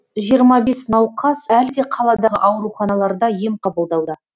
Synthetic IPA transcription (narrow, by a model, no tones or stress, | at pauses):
ʒijəɾmɑbe̞snɑwqɑsælɡʲeqʰɑlˠɑd̪ɑʁə̰ʔɑwɾuχɑnɑlˠɑɾd̪ɑje̞mqʰɑbəlˠd̪ɑwd̪ə